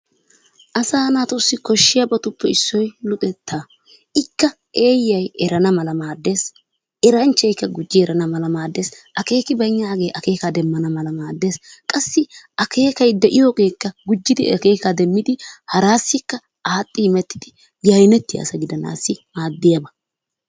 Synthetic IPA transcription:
ʔɐsaːnaːt̪ʊsːɪkɔʃːɪjabɐt̪ʊpːɛɪsːɔjlʊt̪ʼɛt̪ʰːaː | ʔɪkːɐ | ʔe̞ːjːɐjɛɾɐnɐmɐlɐmaːd̪ːeːs | ɛɾɐnt͡ʃːɐjkːɐɡʊd͡ʒːɪɛɾɐnɐmɐlɐmaːd̪ːe̞ːsʔɐke̞ːkɪbɐɲːaːɡeːjʔɐke̞ːkad̪ɛmːɐnɐmɐlɐmaːd̪ːe̞ːskʼɐsːɪʔɐkʰe̞ːkɐjd̪ɛʔɪjoɡe̞ːkːɐɡʊd͡ʒːɪd̪ɪɐke̞ːkad̪ɛmːɪd̪ɪhɐɾaːsːɪkːɐ | aːt̪ʼːɪmɛt̪ːɪ̥d̪̥ɪ | ɡɐjnɛt̪ːɪja̰ːsɐɡɪd̪ɐna̰ːsːɪmaːd̪ːɪjabɐ

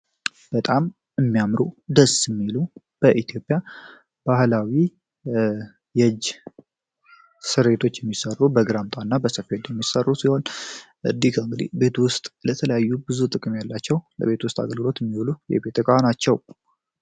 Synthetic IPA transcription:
b̥ət̪ʼam | ɨmːijamɾud̪əsɨmːilu | b̥əʔit̪ʰijo̞pʼːja | b̥ahlawi | jəd͡ʒ | sɨɾet̪ʰo̞t͡ʃːjɛmːisərːubəɡɨɾamt̪ʼanːabəsəfed̪jɛmːisərːusiho̞nʔɨd̪ikʰaɨŋɡɨd̪ḭbe̞t̪wʊst̪ʼlət̪ʰələjajːubɨzut̪ʼɨkʼɨmjalːat͡ʃːɛwlə̰βe̞t̪wʊst̪ʼa̰ɡəlɡɨlo̞t̪jɛmːiwlujɛ̰be̞t̪ʼɨkʼanat͡ʃːɛw

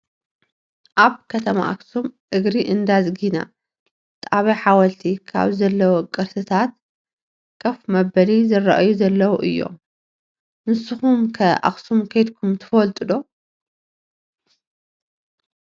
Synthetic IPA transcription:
ʔaβkʰɐt̪ʰɐma̰ʔa̰ksumʔɨɡɾiʔɨnd̪azɡina̰ | t̪ʼaβɐħawɐlt̪ʰikʰa̰βzɐlːɐwokʼɨɾsɨt̪ʰat̪̚ | kʰɐfmɐbɐlizɨrɐ̰ʔjuzɐlːɐwoʔɨjːo̞̰ | nɨsːɨxumkʰɐʔa̰xsumkʰɐjt̪kʰumt̪ʰɨ̥fɐlt̪ʼɨd̪o̞

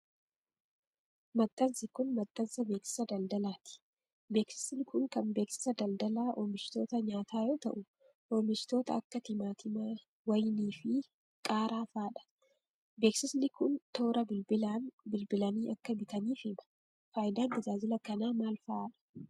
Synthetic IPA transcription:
mɐt̪ʼːɐnsɪkʊnmɐt̪ʼːɐnsɐbe̞ːksɪ̥sɐd̪ɐld̪ɐlaːt̪ɪ̥ | be̞ːksɪ̥snɪkʊŋkɐnbe̞ːksɪ̥sɐd̪ɐld̪ɐlaːʔoːmɪt͡ʃɪ̥t̪o̞ːt̪ɐɲaːt̪aːjoːt̪ɐ̰ʔʊ | ʔoːmɪʃɪ̥t̪o̞ːt̪ɐɐkːɐt̪ɪmaːt̪ɪmɐ | wɐjniːfɪ | kʼaːɾaːfaːᶑɐ̥ | be̞ːksɪsnɪkʊnt̪o̞ːɾɐbɪbɪlaːnbɪlbɪlɐniːʔɐkːɐbɪt̪ɐniːfɪmɐ̥ | faːjd̪aːnd̪ɪzaːd͡ʒɪlɐkɐnaːmaːlfɐaᶑɐ̥

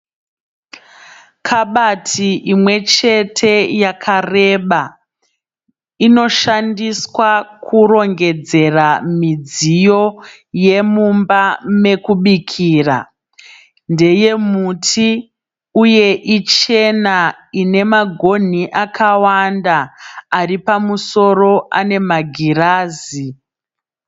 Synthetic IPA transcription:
kʰaɓatʰiʔimwe̞t͡ʃe̞tʰe̞jakʰare̞ɓa | ino̞ʃandiswakʰuro̞ŋɡe̞d͡ze̞ramid͡zijo̞ | je̞mumbame̞kuɓikʰiːra̰ | nde̞je̞mutʰi | uje̞ʔit͡ʃe̞na | ine̞maɡʱo̞n̤iʔakʰawandaːripamuso̞ro̞ʔane̞maɡʱiraːzi

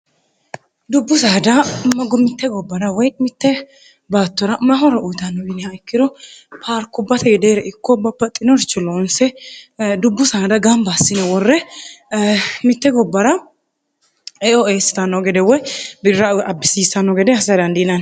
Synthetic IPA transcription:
d̪ʊbːʊsaːd̪ɐmːɐɡɔmɪt̪ːɛɡɔbːɐɾɐwɔjmɪt̪ːɛ | baːt̪ːɔɾɐmːɐɦɔɾɐʔʊjt̪ɐnːɔɡɪnɪhɐjkːɪd̪ɔpʰaɾkːʊbːɐt̪ʰɐɡɛd̪eːɾɛʔɪkːɔbɐbːɐt̪ʼːɪnɔɾt͡ʃːɔloːnsɛ | d̪ʊbːʊsaːd̪ɐɡɐmbasːɪnɛwɔrːɛ | mɪt̪ːɛɡɔbːɐɾɐ | oːeːsɪ̥t̪ɐnɔɡɛd̪ɛwɔjbɪːɐɐbːɪsiːsɐnːɔɡɛd̪ɛhɐsɐd̪ɐnd̪inɐn

